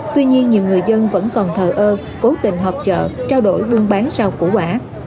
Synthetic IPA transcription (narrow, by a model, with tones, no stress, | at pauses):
t̪wi˧ɲi˧ənɲi˨˩əwŋɨ˨˩əjzə˧nvə̰˧˥nkɔ˨˩nt̪ʰəː˨˩ʔəː˧ | ko˨˦t̪ḭ̈˧˩ŋ̟ɦɔ˨˩wp̚t͡ɕə̰ː˧˨t͡ɕaː˧wɗo˧˩jɓu˧əŋɓaː˨˦nsa˧wkṵ˧˩ʔwaː˧˩